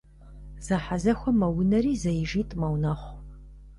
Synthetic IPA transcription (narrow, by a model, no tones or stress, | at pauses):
z̥ɐħazɐxʷɔmɐwʊnɐɾiːzɐjɪʒiːtʼmɐwnɐχʷ